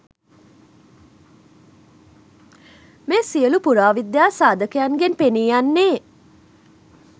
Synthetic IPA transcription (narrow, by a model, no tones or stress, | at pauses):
meːsiəlupuɾaːʋid̪jaːsaːd̪əkəjaŋɡenpeniːjanːeː